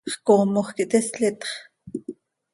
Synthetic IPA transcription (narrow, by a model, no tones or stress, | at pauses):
χkoːmoχkiʔt̪eslit̪χ